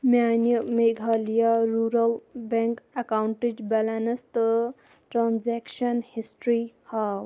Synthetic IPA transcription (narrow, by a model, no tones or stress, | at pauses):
mjanjumeɡʱalijaɾuɾəlbaŋkakawɳʈid͡ʒbalanɐst̪ə | ʈɾanzakʃənhisʈɾihaw